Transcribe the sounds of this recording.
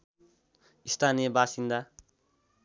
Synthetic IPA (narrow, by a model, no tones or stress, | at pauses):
ist̪ʰanijebasind̪a